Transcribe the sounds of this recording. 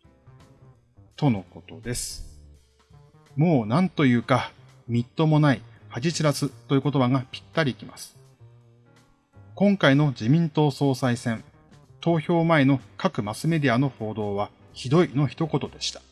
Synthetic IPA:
t̪o̞no̞ko̞t̪o̞d̪e̞sɨ̥ | mo̞ːnãnt̪o̞jɯ̟ːka | mʲit̪ːo̞mo̞naihad͡ʑit͡ɕiɾasɨt̪ːo̞jiko̞t̪o̞baɡapʲi̥t̪ːaɾʲiːkʲima̰sɨ̥ | kõ̞ŋkaino̞d͡ʑimʲĩnt̪o̞ːso̞ːsaisẽ̞n | t̪o̞ːçʲo̞ːmae̞no̞kakɯ̟masɨme̞d̪ʲiano̞ho̞ːd̪o̞ːβa | çid̪o̞ino̞çi̥t̪o̞ko̞t̪o̞d̪e̞ɕi̥t̪ḁ

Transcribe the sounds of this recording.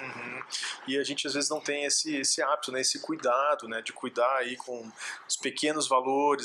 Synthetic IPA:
ũh̩ɪaʒẽnt͡ʃɪazvezɪznɐ̃w̃t̪ẽj̃esɪesɪabit̪ʊnɛesɪkujd̪ad̪ʊnɛd͡ʒɪkujd̪aɾaikʰõʊspekẽnʊzvaloɾɪ

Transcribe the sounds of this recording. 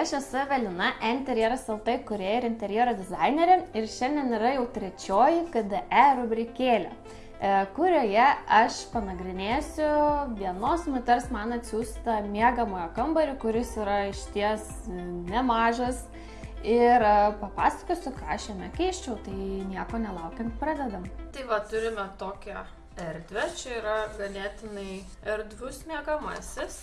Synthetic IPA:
ɐʃɛsʊʋʲɛlʲɪnɐʔɛnt̪ʲɛɾʲjɛɾɐsɛlˠt̪ɐkʊɾʲeːɪɾɪnʲt̪ʲɛɾʲjeːɾod̪ʲɪzɐɪnʲeːɾʲɛɪɾʃʲɛnʲd̪ʲɛnɪɾɐjɛʊt̪ʲɾʲɛt͡ʃʲoːjɪkɐd̪ɐʔæːɾʊbʲɾʲɪkʲeːlʲo̰ː | kʊɾʲoːjɛɐʃpɐnɐɡɾʲɪnʲeːsʲʊʋʲiɛnoːsmʊt̪ʲɛrsmɐnɐt̪ʲsʲuːst̪ɐmʲiɛɡɐmoːjokɐmbɐɾʲʊkʊɾʲɪsɪɾɐɪʃʲt̪ʲiɛs | nʲɛmɑːʒɐs | ɪɾpɐpɑːsɐ̥koːsʲʊkɑːɐʃjɛmʲɛkʲɛɪʃʲt͡ʃʲɛʊt̪ɐɪnʲiɛkoːnʲɛlˠɐʊkʲɛnt̪pɾɑːd̪ʲɛd̪ɐmt̪ɐɪʋɐt̪ʊɾʲɪmʲɛt̪oːkʲɛ | ɛɾʲd̪ʲʋʲɛt͡ʃʲɛiːɾɐɡɐnʲeːt̪ʲɪnɐɪ | ɛɾʲd̪ʋʲʊsmʲiɛɡɐmɐ̰sʲɪs

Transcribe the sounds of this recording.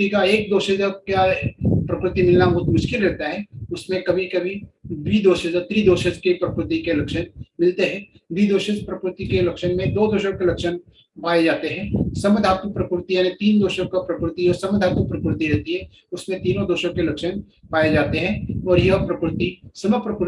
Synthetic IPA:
ikaeːk̚d̪oːʃəd͡ʒəkapɾɐkɾɪt̪imɪlnamoːt̪mʊʃkɪlɾɛɦt̪aɦɛʊsmẽkɐbʱikɐbʱidwiːd̪oːʃəd͡ʒɔt̪ɾid̪oːʃəd͡ʒkepɾɐpɾɪt̪ikelɐkʃənmɪlt̪eɦɛ̃ː | wiːd̪oːʃəd͡ʒpɾɐkɾɪt̪ikelɐkʃənmẽd̪oːd̪oːʃõkelɐkʃən | paːed͡ʒaːt̪eɦɛ̃ːsɐməd̪ʱaːt̪məpɾəkɾɪt̪ijaːnet̪iːnd̪oːʃõkapɾɐkɾɪt̪iɔːɾsɐməd̪ʱaːt̪məpɾɪkɾt̪iɾɛɦt̪iɦɛ | ʊsmẽt̪iːnõd̪oːʃõkelɐkʃənpaːed͡ʒaːt̪eɦɛ̃ɔːɾjɐpɾɐkɾɪt̪isɐməpɾəkɾ

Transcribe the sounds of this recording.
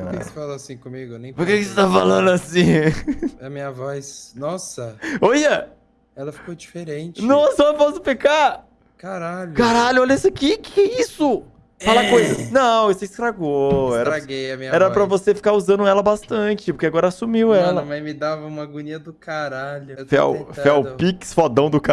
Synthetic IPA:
eksefalaasĩkõmiɡʊnẽj̃poɾkekɪset̪avɐfalɐ̃nd̪ʊasĩ | ɐmĩɲɐvɔsnɔsɐojɐ | ɛlɐfikod͡ʒifeɾẽt͡ʃɪnɔsɐɔpɔsʊ̥peka | kaɾaʎʊkaɾaʎʊɔʎɐisɐkɪkɪkɛisʊ | falɐkojzɐnɐ̃w̃esʊisk̪ɾaɡoɛɾɐɾɡejɐmĩɲɐɛɾɐpɾɐvosefi̥kauzɐ̃nd̪ʊɛlɐbast̪ɐ̃t͡ʃɪpʊɾkeaɡɔɾɐasumiwɛlɐmɐ̃j̃mɪd̪avɐũmɐɡuniɐd̪ʊkaɾaʎʊfɛ̰wfɛwpiksfɔd̪ɐ̃w̃d̪ʊka

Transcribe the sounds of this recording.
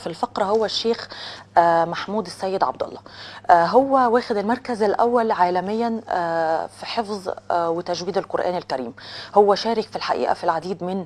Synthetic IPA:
filfɑqɾˤɑhowːæʃːeːx | maħmuːd̪ɪsːæːjːɪd̪ʕɑ̰b̚d̪ɑ̰lˤːɑɦowːæwæːxɪd̪ɪlmɑɾˤkæzɪlʔæ̰wːælʕaːlæmɪjːænː | fiħefzˤwɪt̪æʒwiːd̪ɪlqoɾʔæ̰ːnɪlkæɾiːmhowːæʃæːɾɪkfilħaʔḭːʔæ̰filʕad̪iːd̪mɪn

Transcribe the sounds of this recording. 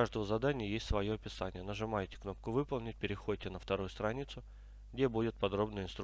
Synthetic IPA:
aʐd̪əvəzɐd̪anʲɪjəjesʲtʲsvɐjoɐpʲɪsanʲɪjənəʐɨmajtʲɪ̥kno̞p̚kʊvɨpəlˠnʲɪt̚ʲpʲɪɾʲɪxo̞d̚ʲtʲɪnəft̪ɐɾujʊst̪ɾɐnʲit̪sʊ | ɡdʲebudʲɪt̪̚pɐd̪ɾo̞bnəjəɪnst̪ɾ

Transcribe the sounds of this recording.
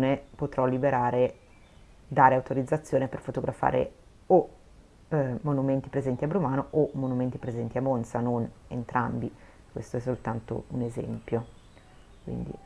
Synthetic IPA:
nepot̪ɾɔlːibeɾaːɾe | d̪aːɾeawt̪oɾid̪zːat̪sːjoːneperfot̪oɡɾafa̰ːɾḛ | o | monument̪i̥pɾezɛnt̪iabɾumaːnoʔomːonument̪ipɾezɛnt̪iamonsanonḛnt̪ɾa̰mbi | kwḛst̪oɛsːolt̪ant̪o̰unezɛ̰mpjo | kwḭnd̪ḭ

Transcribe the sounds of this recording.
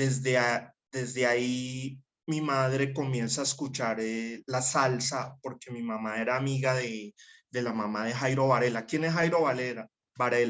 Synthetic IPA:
d̪ezd̪ead̪e̞zd̪e̞ai | mimaðɾe̞ko̞mje̞nsaːeskut͡ʃaɾlasalsapo̞ɾke̞mimamae̞ɾaːmiɣaðe̞d̪e̞lamamaðe̞xajɾo̞βaɾe̞lakje̞nesxajɾo̞βaleɾa | baɾela

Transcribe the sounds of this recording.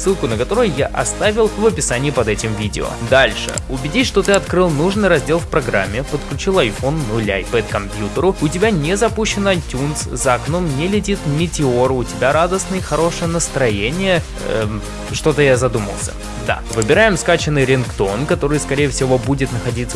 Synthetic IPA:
sːɨlˠkʊnəkɐt̪o̞ɾʊjʊjaʔɐst̪avʲɪlˠvəpʲɪsanʲɪːɪpɐd̪ɛtʲɪmvʲidʲɪ̰o̰d̪alʲʂɨ̰ʊbʲɪdʲisʲʂt̪o̞t̪ɨɐt̪kɾɨlˠnuʐnɨjɾɐzʲdʲe̞lˠfpɾɐɡɾa̰mʲːɪpət̪klʲʉt͡ɕilˠɐjfo̞nːʊlʲajpɛt̪̚kɐmpʲjut̪əɾʊʊtʲɪbʲanʲezɐpuɕːɪnɐjtʲunszəɐknomnʲelʲɪtʲit̪mʲɪtʲɪo̞ɾʊtʲɪbʲaɾad̪əsnɨjxɐɾo̞ʂɨjənəst̪ɾɐjenʲɪjə | ʂt̪o̞t̪əjazɐd̪umə̰lˠsʲə̥̰ | d̪a̰vɨbʲɪɾajɪmskat͡ɕɪnːɨjɾʲɪnkt̪o̞nkɐt̪o̞ɾɨjskɐɾʲejəfsʲɪvo̞budʲɪt̪nəxɐdʲit̪sːə

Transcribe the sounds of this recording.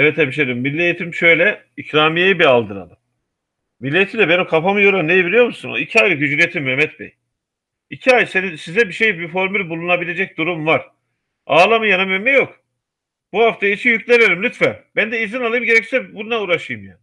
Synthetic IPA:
ɛvɛt̪ebiʃ̬eɾimːilʲːiejit̪ʰimʃø̞jlʲɛ | icɾaːmijejibialˠd̪ɯna̰lˠɯm | milʲːet̪ʰid̪ʲɛbenikʰafamɯjoɾanejibiɾʲijo̞ɾmusuno̰icʰiajlɯɟyd͡ʒylet̪ʰimːɛmɛt̪bɛ̰j | icʰiajsenisizɛbiʃe̞jbifo̞ɾmylʲbulˠunabilʲe̞d͡ʒɛc̚d̪uɾumvaɾ̥ | aːlˠamɯjanamemɛjo̞k | b̥uhaft̪ʰait͡ʃʰijyclʲeneɾimlʲyt̪fæbænd̪ɛizinalˠɯjɯmɟe̞ɾɛcssɛbununauːɾaʃɯjɯmja

